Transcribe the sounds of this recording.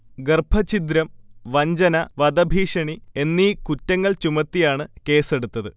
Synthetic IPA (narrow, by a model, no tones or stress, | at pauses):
ɡerbʱɐt͡ɕit̪ɾɐmʋɐɲd͡ʑɐnɐʋɐd̪ɐbʱiːʂɐɳie̞nːikutːɐŋːɐɭt͡ɕumɐt̪ːijaːɳɨke̞ːse̞ɽut̪ːɐðɨ